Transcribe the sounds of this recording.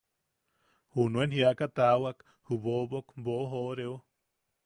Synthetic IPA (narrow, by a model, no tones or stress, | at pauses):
hunũenhiakat̪awak | huβobokboʔɦoʔɾeo